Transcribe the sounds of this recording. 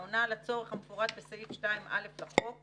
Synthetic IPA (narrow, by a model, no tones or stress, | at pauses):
onalat͡so̞ʁeχhamefoʁad̪̚besaitʃtaimʔa̰le̞flaχok